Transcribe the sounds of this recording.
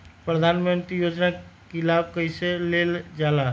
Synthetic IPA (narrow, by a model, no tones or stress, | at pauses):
pɾəd̪ʱanmənt̪ɾijod͡ʒnakilabkəjseleld͡ʒala